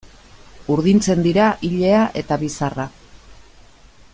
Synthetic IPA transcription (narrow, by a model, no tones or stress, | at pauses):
uɾðint͡se̞nd̪iɾaʔiʎe̞aʔe̞t̪aβisara